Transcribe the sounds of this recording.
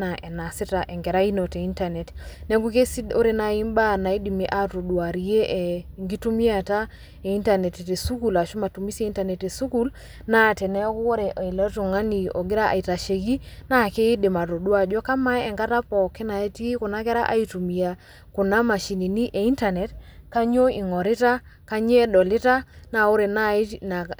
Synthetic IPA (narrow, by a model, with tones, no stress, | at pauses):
na˨ʔɛ˨na˨si˦ta˨ʔɛ˨ŋɡɛ˨ɾa˦i˦no˨te˨i˦nta˨nɛ˨tnɛ˦ŋɡu˦ke˦si˦o˦ɾe˨na˨i˦mba˦na˨i˦di˨mi˦ʔa˨to˨dwa˨ɾi˦e˦ʔŋɡi˦tu˦mi˦a˨ta˦ | e˨i˦nta˨nɛ˨te˨te˨su˦ku˨la˨ʃu˦ma˨tu˨mi˦se˨i˦nta˨nɛ˨te˨su˦ku˦l | na˨˦te˨nɛ˦ɔ˦ku˦wo˦ɾɛ˨ʔa˨i˨la˦tu˨ŋa˦ni˨ɔ̰˨ɡɪ˦ɾa˦ʔa̰˨i˨ta˨ʃe˨ɡi˦na˦˨ke˦i˦de˨ma˨to˨dwa˨d͡ʒɔ˦ka˦ma˦ɛ˨ŋɡa˦ta˦pɔ˨ke˦na˨e˦ti˦kʊ˨na˦kɛ˦ɾa̰˦ʔa̰˦i˨tu˨mi˨a˨ | kʊ˨na˦ma˨ʃi˨ni˨ni˦ʔe˨i˦nta˨ne˨tka˦ɲo˦i˨ŋɔ˨ɾɪ˦ta˦ | ka˦ɲ˦e˦dɔ˨lɪ˦ta˦na˦˨o˦ɾe˨na˦i˦na˨